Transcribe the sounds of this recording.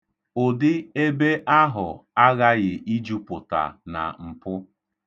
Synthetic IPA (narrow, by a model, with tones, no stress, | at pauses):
ʊ˨dɪ˦e˦be˦ʔa˦ɦʊ̰˨a˦ɣa˦ɣɪ˨ʔi˦d͡ʒu˦pʊ˨ta̰˨na̰˨m̩˨pʊ˦